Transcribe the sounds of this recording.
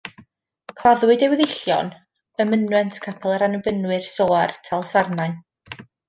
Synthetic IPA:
kʰl̥ˠaðwɨdɛwɛðɪɬjɔ̰n | əmənwɛntʰkʰapʰɛlˠaɾanəbənwɨrsoːartʰalˠsarnaɨn

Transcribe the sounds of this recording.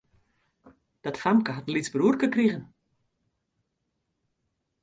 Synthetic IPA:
d̥ɔtfamkəɦatən̩litsbruərkəkriɣən

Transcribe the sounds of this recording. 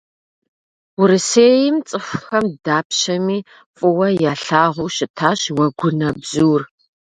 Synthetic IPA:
ʊɾɨseːjɪmt͡sʼɨxxɐmdaːpʰɕɐmiː | fʼʊwɐjaːɬaːʁʷʊɕɪtʰaːɕwɐɡʷʊnɐbzuːr

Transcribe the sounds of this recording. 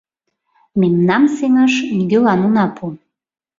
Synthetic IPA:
memnɑmseŋɑʃnɡølɑnunɑpʰu

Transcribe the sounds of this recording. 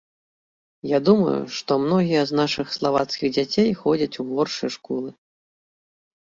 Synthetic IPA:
jad̪umɐ̰jṵʂt̪ɔmnɔɣʲijɐznaʂɨxslˠava̰t̪skʲiɣd͡zʲat͡sʲejxɔd͡zʲɐt͡sʲuɣɔrʂɨ̰jʂkɔlˠɨ

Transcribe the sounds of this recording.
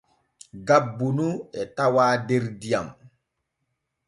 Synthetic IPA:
ɡabːunuɛtawaːdeɾdijam

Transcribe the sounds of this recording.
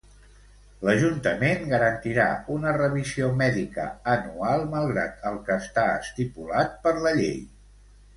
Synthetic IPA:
ləʒunt̪əmenɡəɾənt̪iɾa̰unərəβ̞iziomɛðikə̰ənualˠməlˠɣɾa̰t̪̚əlˠkəːst̪aə̰st̪ipulat̪̚pəɾləʎḛj

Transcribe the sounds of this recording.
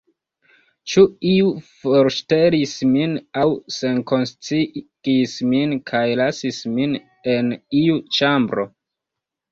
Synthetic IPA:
t͡ʃuiufoɾʃte̞lisminawse̞nko̞nst͡siɡ̥isminkʰajlasismin | e̞niut͡ʃambɾo̞̰

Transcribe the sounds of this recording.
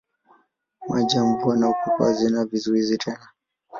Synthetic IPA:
mwad͡ʒam̩buanaukukwa̰zinavizuizitʰɛna

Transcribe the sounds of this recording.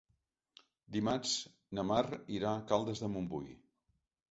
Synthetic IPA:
d̪imat͡s | nəmariɾakalˠd̪əzðəmumbuɣḭ

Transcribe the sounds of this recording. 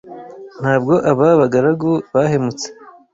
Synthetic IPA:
n̥haːbɡo̞ʔaβaβaɡaɾaɡuβahemut͡se̥

